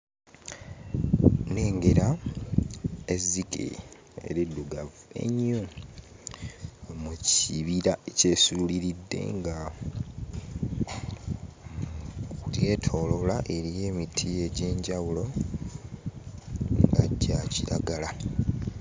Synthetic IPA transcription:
ne̞ːŋɡe̞ɾa | ezːikḛ | ḛɾiduɡavue̞̰ɲːo | muciβiɾaece̞ːsuuliɾidːe̞̰ŋɡa | kulje̞ːtʰo̞lolaʔe̞ɾije̞ːmitʰie̞ɟe̞ːɲɟawulo̞ | ŋɡaɟːaciɾaɡala

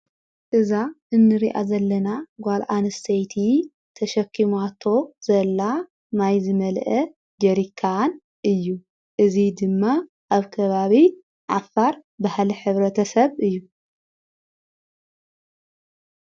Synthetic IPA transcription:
ʔɨzaɨnːɨɾiʔa̰zɐlːɐnaɡʷalʔanɨst̪ʰɐjt̪ʰi | t̪ʰɐʃɐkːimat̪ʰo̞z̥ɐlːa | najzɨmɐlʔɐ | d͡ʒɐɾikʰːan | ʔɨjːu | ʔɨzid̪ɨmːa | ʔaβkʰɐβaβi | ʕafːaɾbahliħɨβɾɐt̪ʰɐsɐβɨjːu

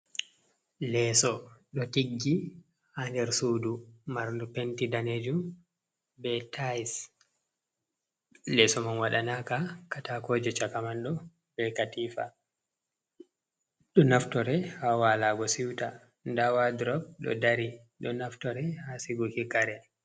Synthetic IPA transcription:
lɛsɔɗɔtiɡːi | handɛɾsudumaɾndupentidaned͡ʒum | bɛtʰas | lɛsɔmanwaɗanakakatakod͡ʒɛt͡ʃakamanɗɔ | bɛkatiːfa̰ | ɗɔnaftɔɾɛhawalaɡɔsiwta | ndawadɾɔb̚ɗɔ̰daɾi | ɗɔnaftɔɾɛhasiɡukikaɾɛ

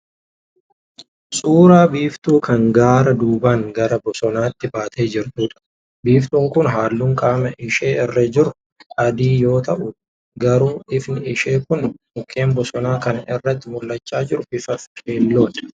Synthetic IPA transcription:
sʼuːɾaːbiːft̪ʼuːkʰɐŋɡaːɾɐd̪uːbaːŋɡɐɾɐbɔsɔnaːt̪ːɪbaːt̪ʰe̞ːd͡ʒɪɾt̪uːᶑɐ̥ | biːft̪ʼuːŋkʊnɦaːlːuːŋkʼaːmɛʔɪʃe̞ːɪrːɐd͡ʒɪɾʊ | ɐd̪iːjo̞ːt̪ɐʔʊᶑ | ɡɐɾuːʔɪfnɪɪʃe̞ːkʊn | ʊkʰːe̞ːmbɔsɔnaːkɐnɪrːɐt̪ːɪmʊlːɐt͡ʃːaːd͡ʒɪɾʊbɪfɐfkʰe̞ːlːo̞ːᶑ

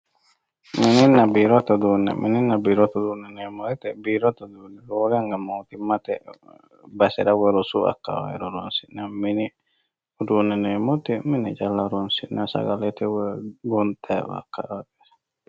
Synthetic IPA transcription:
mininabiɾɔt̪ɔd̪unɛ̰mʔḭninːabiɾɔt̪ɔdunɛnɛmɔɛt̪ɛbiɾɔt̪ɔd̪unɛɾoɾaŋɡamot̪imat̪ɛ̰ | basɛɾawɛɾosua̰kːa̰wa̰ɛ̰ɾɔɾonsinamini | dunɛnɛmot̪iminid͡ʒalːaɾonsinasa̰ɡalɛt̪ɛwɛɡɔnt̪ʰɛwa̰kːa̰aɡɛɾ

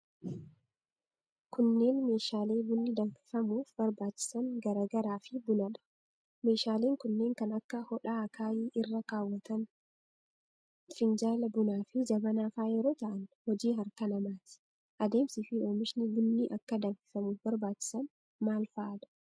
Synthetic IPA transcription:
kʊnːe̞ːnme̞ːʃaːle̞ːbʊnːɪd̪ɐŋfɪ̥fɐmuːfbɐɾbaːt͡ʃːɪ̥sɐnɡɐɾaːɡɐɾaːfɪbʊnɐᶑɐ̥ | me̞ːʃaːle̞ːŋkʊnːe̞ːŋkɐnɐkːɐhɔᶑaːɐkʰaːjiːʔɪrːɐkaːwːɐt̪ɐn | fɪnd͡ʒaːlɐbʊnaːfɪd͡ʒɐbɐnaːfaːjɛɾo̞ːt̪ɐʔɐnhɔd͡ʒiːɦɐɾkɐnɐmaːt̪ɪ̥ | ʔɐd̪e̞ːmsiːfɪo̞ːmɪʃnɪbʊnːiʔɐkːɐd̪ɐmfɪ̥fɐmuːfbɐɾbaːt͡ʃːɪ̥sɐn | maːlfɐʔɐᶑ̪ɐ̥

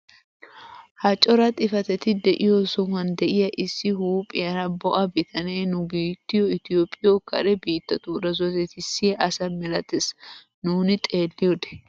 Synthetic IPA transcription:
hɐt͡ʃʼɔɾɐt̪ʼɪfɐt̪ɛt̪ɪd̪ɛʔɪjɔsɔŋɐnd̪ɛʔɪjɐʔɪsːɪhuːpʼːɪjɐɾɐbɔʔɐbɪt̪ʰɐneːnʊbiːt̪ːɪjɔɪt̪ɪjoːpʼːɪjɔkʰɐ̰ɾɛbiːt̪ːɐt̪uːɾɐzɔt̪ɛt̪ɪsːɪʔɐsɐmɛlɐt̪es | nuːnɪt̪ʼe̞ːlːɪjɔd̪ɛ̥

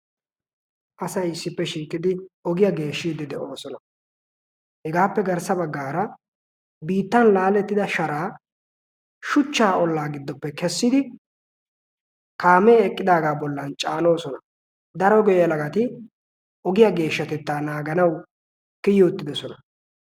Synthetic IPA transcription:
ʔɐsɐjɪsːɪpːɛʃiːkʼːɪd̪ɪɔɡɪjɐɡe̞ːʃːiːd̪ɪd̪ɛʔoːsɔnɐ | hɛɡaːpːɛɡɐɾsɐbɐɡːaːɾɐ | biːt̪ːɐnlaːlɛt̪ːɪd̪ɐʃɐɾaː | ʃʊt͡ʃːaːɔlːaːɡɪd̪ːɔpːɛkɛsːɪd̪ɪ | kaːmeːɛkʼːɪd̪aːɡaːbɔlːɐnt͡ʃʼaːno̞ːsɔnɐ | d̪ɐɾɔɡɔjjɐlɐɡɐt̪ɪ | ʔɔɡɪjɐɡe̞ːʃːɐt̪ɛt̪ːaːnaːɡɐnɐw | kɪjːɔʊt̪ːɪd̪ɔsɔnɐ

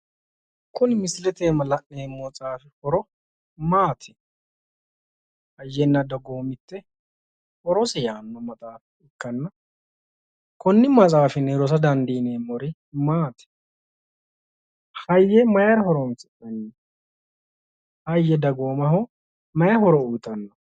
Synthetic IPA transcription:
kʊnmɪslɛt̪eːmɐlɐʔneːmːɔt͡sʼaːfɪhɔɾɔ | maːt̪ʰɛ̥ | hɐjːɛnːɐd̪ɐɡoːmɪt̪ːɛ | hɔɾɔsɛjaːnːɐmɐt̪ʼaːf | ɪkːɐnːɐ | kɔnːɪmɐt͡sʼaːfɪneːɾɔs̬ɐd̪ɐnd̪iːneːmɔɾɪ | maːt̪ʰɛ̥ | hɐjːɛmɐjɐɾɐhɔɾɔnsɪʔɐnːi | hɐjːɛd̪ɐɡoːmɐɦɔ | mɐjɐhɔɾɔuːt̪ʼːɐnːɐ

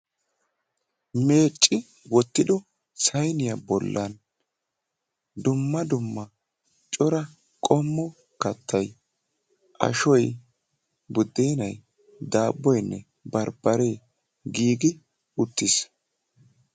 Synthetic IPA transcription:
me̞ːt͡ʃʼːɪ | wɔt̪ːɪd̪ɔ | sɐjnɪjɐbɔlːɐn | d̪ʊmːɐd̪ʊmːɐ | t͡ʃʼɔɾɐ | kʼɔmːɔ | kɐt̪ːɐj | ʔɐ̰ʃɔj | bʊd̪ːeːnɐj | d̪aːbːɔjnːɛ̰ | bɐɾbɐɾe̞ː | ɡiːɡɪ | ʊt̪ːɪs

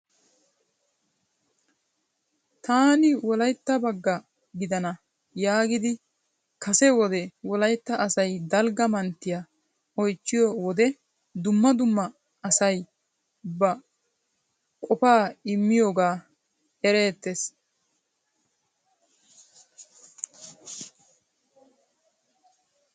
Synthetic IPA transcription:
t̪aːnɪwɔlɐjt̪ːɐbɐɡːɐ | ɡɪd̪ɐnɐ | jaːɡɪd̪ɪ | kɐsɛwɔd̪ɛwɔlɐjt̪ːɐʔɐsɐjd̪ɐlɡɐmɐnt̪ːɪjɐ | ɔjt͡ʃːɪjowɔd̪ɛ | d̪ʊmːɐd̪ʊmːɐː | sɐj | bɐ | kʼɔpaːɪmːɪjoːɡaː | ɛɾe̞ːt̪ːes

